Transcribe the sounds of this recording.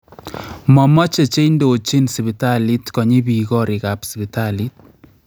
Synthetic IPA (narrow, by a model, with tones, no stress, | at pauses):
mɔ˨mɔ˦t͡ʃe˨t͡ʃe˦indo˨t͡ʃi˦nsi˨bi˨ta˦li˦tkɔ˨ɲi˦bi˨kɔ˦ɾɪ˨ka˨psi˨bi˨tali˦t̚